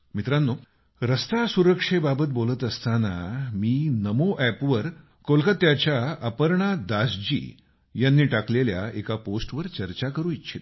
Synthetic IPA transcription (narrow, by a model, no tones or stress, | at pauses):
mit̪ɾanːo | ɾəst̪asuɾəkʂebabət̪̚bolət̪əst̪ana̰miːnəmoʔæpʋəɾ | kolkət̪jat͡ɕjaapəɾɳad̪asd͡ʑḭː | janːiːʈaklelja̰ekaposʈʋəɾt͡ɕəɾt͡ɕakəɾũːitːɕʰit̪